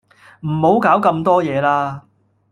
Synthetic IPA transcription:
m̩˨˩ho˨˥wkaː˨˥wkɐ˧mt̪ɔː˥jɛː˨˧laː˥

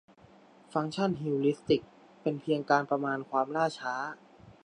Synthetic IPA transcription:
fa˧˦˥ŋt͡ɕʰa˥˩nɦi˧wli˦˥st̪i˨˩k̚ | pe˧npʰi˧əŋkaː˧npɾa˧maː˧nkʰwaː˧mlaː˥˩t͡ɕʰaː˦˥

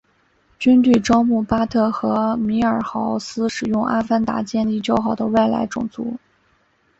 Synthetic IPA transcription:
t͡ɕy˥nt̪y˥˩ʈ͡ʂɑ˥ʊmu˥˩pa˥t̪ʰɤ˥˩xɤ˧˥mi˧˥ə˞˨˩xɑ˧˥ʊsɹ̩˥ʂɻ̩˨˩jʊ˥˧ŋʔa˥fa˥nt̪a̰˧˥t͡ɕjɛ˥˧nli˥˩t͡ɕjo˥ʊxɑ˨˩ʊd̪ə̰˦we˥˩ɪla̰˧˥ɪʈ͡ʂʊ̰˨˩ŋt͡sṵ˧˥

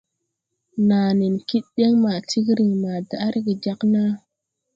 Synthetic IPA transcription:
naː˨ni˨nki˦t̚ɗe˦ŋma˨ti˦kɾi˨ŋma˨da˨ʔa˦ɾi˦ɡi˨d͡ʒa˦kna˦

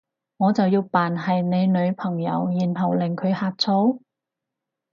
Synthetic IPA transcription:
ŋɔː˨˧t͡sɐ˨wjiː˧wpaː˨nɦɐ˨jne˨˧jnɵ˨˧ɥpʰɐ˨˩ŋjɐ̰˨˧˥wjiː˨˩nɦɐ˨˩wlɪ˨˩ŋkʰɵ˨˧ɥhaː˧t̚t͡sʰo˧˥w

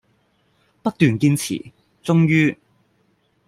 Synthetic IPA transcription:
pɐ˥k̚t̪yː˨nkiː˧nt͡sʰḭ˨˩ | t͡sʊ˥ŋjyː˥

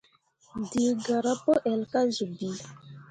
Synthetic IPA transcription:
di˨ɡa˨ɾa˦pɔ˦ʔɛ˨lka˦zu˨bi˨

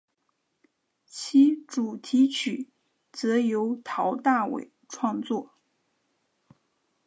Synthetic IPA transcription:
t͡ɕʰi˥ʈ͡ʂu˨˩t̪ʰi˧˥t͡ɕʰy˨˩˦ | t͡sɤ˧˥jo˧˥ʊt̪ʰɑ˧˥ʊt̪a˥˩wḛ˨˩ɪʈ͡ʂʰwɑ˥˧ŋt͡swɔ˥˩

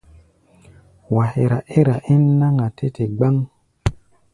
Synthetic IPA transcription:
wa˨he˨ɾa˨ʔe˦ɾa˨ʔi˦nːa˦ŋa˨tʰe˦tʰe˨ɡ͡ba˦ŋ

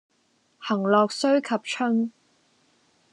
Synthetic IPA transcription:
hɐ˨˩ŋlɔː˨k̚sɵ˥ɥkʰɐ˨p̚t͡ʃʰɵ˥ŋ

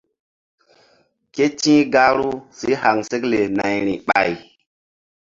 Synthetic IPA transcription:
ke˦t͡ʃĩ˦ɡa˦ɾu˦si˦ha˨ŋse˦kle˨na˨jɾi˨ɓa̰˨j

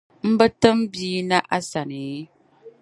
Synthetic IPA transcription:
m̩˦bə˦tə˦m˦biː˦na˦ʔa˦sa˨ne˨˦

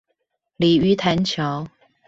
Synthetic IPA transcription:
li˨˩y˧˥t̪ʰa˧˥nt͡ɕʰjɑ˧˥˦ʊ

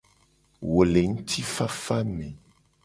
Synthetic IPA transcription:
wo˨le˨ŋ̩˦t̪ʰi˦fa˦fa˦mẽ˨

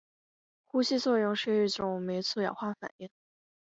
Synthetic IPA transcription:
xu˥ɕi˥˧t͡swɔ˥˧ɻʊ˥˧ŋʂɻ̩˥˧i˥˩ʈ͡ʂʊ˨˩ŋme˧˥ɪt͡sʰu˥˩jɑ̰˨˩ʊxwa˥fa̰˨˩ni˥˩n

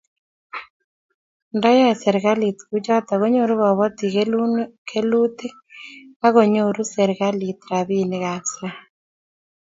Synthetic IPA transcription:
ndɔ˦jɔ˦se˨ɾɣa˦litɣud͡ʒɔ˦t̪a˨ɣo˦ɲoɾu˦βɔ˨βɔ˦t̪i˨ɣe˦lu˦nkʰe˦lu˦te˦ | a˦ɣo˨ɲo˦ɾu˦se˨ɾɣa˦lit̪ɾaβi˦neɣa˨sɾa˦

